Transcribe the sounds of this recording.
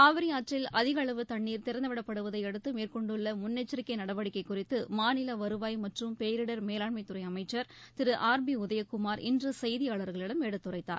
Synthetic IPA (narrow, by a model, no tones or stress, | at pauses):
aːʋɪɾɪjaːʈrɪlɐðɪɣɐɭɐʋɯt̪ɐɳːiːɾt̪ɪɾɐnd̪ɐʋɪɽɐpːɐɽɯʋɐðɐɪɛɽɯt̪ːɯmeːɾkɔɳɖɯɭːɐmʊnːɛt͡ʃːɪɾɪkːɐɪnɐɽɐʋɐɽɪkːɐɪkːʊrɪt̪ːɯmaːnɪlɐʋɐɾɯʋaːjmɐʈrɯmpeːɾɪɽɐɾmeːlaːɭmɐɪt̪ːʊrɐɪɐmɐɪt͡ʃːɐɾt̪ɪɾɯʔaːɾbiʊðɐjɐkːʊmaːɾʔɪ̰ndrɯsɐjðɪjaːɭɐɾɣɐɭɪɽɐmɛɽɯt̪ːʊrɐɪːaːɾ